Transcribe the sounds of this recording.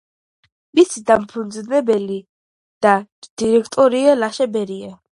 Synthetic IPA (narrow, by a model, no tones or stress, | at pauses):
misid̪ampʰund̪znɛbɛli | d̪̥ad̪̥iɾɛkʰt̪ʼɔɾialaʃɛbɛɾia